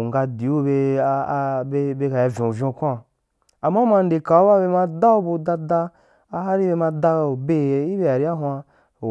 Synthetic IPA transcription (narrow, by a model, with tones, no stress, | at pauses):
ŋ˨ɡa˧di˨˦u˦be˧ | be˧be˧ka˨ja˧vʲõ˨vʲõ˧˨kʷa˦˨ | a˨ma˦ma˧n̩˦de˨ka˨o˦ba˦be˧ma˧da˦o˦bu˧da˧da˧ | a˧ɦa˦ɾi˦be˧ma˧da˧˨be˦˨i˦be˧˦a˨ɾi˦a˦ɦwa˧˨